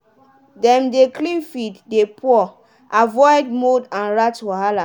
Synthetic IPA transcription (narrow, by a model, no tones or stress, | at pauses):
dɛ̃mdeklĩfitdepʰuɔ | ʔavɔjd̚modãnɹatwaɦala